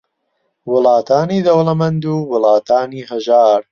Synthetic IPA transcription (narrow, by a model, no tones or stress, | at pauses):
wʊlaːt̪aːniːd̪ɐwlɐmɐnd̪uːwɨlaːt̪ʰaːniːɦɐʒaːɾ